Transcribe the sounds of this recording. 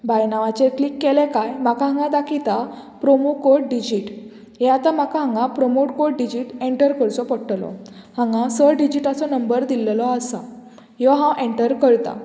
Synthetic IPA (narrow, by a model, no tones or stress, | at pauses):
bajnaʋat͡ɕeklikːelɛkajmakaɦãŋɡãd̪akʰit̪a | pɾomokoʈɖid͡ʑiʈ | ɦɛ̃at̪ãmakaɦãŋɡãpɾɔmoʈkoʈɖid͡ʑiʈeɳʈəɾkəɾt͡sɔpəɽʈlɔ̰hãŋɡãsəɾɖid͡ʑiʈat͡sɔnəmbəɾd̪illɔasa̰ | jɔɦãwʔeɳʈəɾkəɾt̪a̰